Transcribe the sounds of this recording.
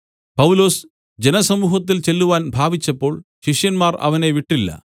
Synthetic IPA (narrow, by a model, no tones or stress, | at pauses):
pɐwlo̞ːs | d͡ʑenɐsɐmuːɦɐt̪̬ːilt͡ɕe̞lːuʋaːnbʱaːbit͡ɕːɐpːo̞ːɭ | ɕiʂjɐnmaːrɐ̰ʋɐne̞ʋiʈːilːɐ̰